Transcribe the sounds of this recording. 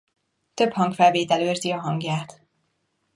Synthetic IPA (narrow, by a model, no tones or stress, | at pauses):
t̪ø̞phɒŋkfɛlveːt̪ɛløːrziɒɦɒŋɡjaːt̪